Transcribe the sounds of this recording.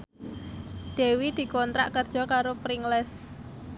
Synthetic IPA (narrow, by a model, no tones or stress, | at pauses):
d̪̥e̤wid̪̥i̤kɔnt̪ɾa̰ʔkərd̥ʒ̥ɔ̤kaɾopɾiŋlɛs